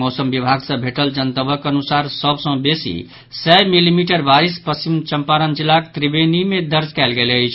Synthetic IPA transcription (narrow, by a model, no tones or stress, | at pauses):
mosəmbibʱaɡsə̃bʱeʈəld͡ʒənt̪əbəkənusaɾsəbʱsə̃besḭ | sɛmilimiʈəɾbaɾispəst͡ʃimt͡ʃəmpaɾənd͡ʒilːakt̪ɾibenimed̪əɾd͡ʒkaɪlɡeləjt͡ʃʰ